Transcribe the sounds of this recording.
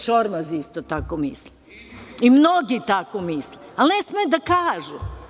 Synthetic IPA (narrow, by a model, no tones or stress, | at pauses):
ʃoɾmazist̪ot̪akomisle | imnoɡit̪akomisle | alnesmejud̪akaːʒu